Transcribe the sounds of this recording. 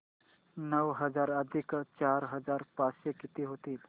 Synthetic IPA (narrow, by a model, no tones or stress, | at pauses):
nəʋɦəd͡zaɾəd̪ʱikt͡ɕaɾɦəd͡zaɾpasjəkit̪iɦot̪iːl